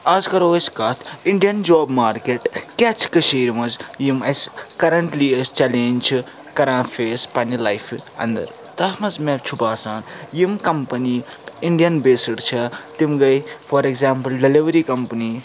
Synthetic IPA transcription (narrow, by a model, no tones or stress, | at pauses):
ɐzkɐɾoːsʲkɐːt̪ʰiɳɖijɐnd͡ʒoːbmaːɾkeʈkʲaːt͡ʃʰi̥kɐʃeːɾimɐzjimɐsʲkɐɾɐɳʈliɐst͡ʃɐlẽːnʲt͡ʃʰi | kɐɾãːfeːspɐnilɐjfʰɐ̰̃nd̪ɐ̰ɾ | t̪ɐmɐzmẽbʲt͡ʃʰubaːsaːnjimkɐmpɐni | iɳɖijɐnbeːsɐɽt͡ʃʰɐt̪imɡɐjfɐɾeɡzaːmpɨlɖɐliʋɐɾiːkɐmpɐni